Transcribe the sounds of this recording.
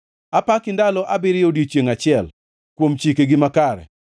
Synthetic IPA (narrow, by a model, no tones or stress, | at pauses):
apakɪndalɔʔabɪɾɪodit͡ʃjeŋat͡ʃɪɛl | kwomt͡ʃikeɡɪmakaɾɛ̰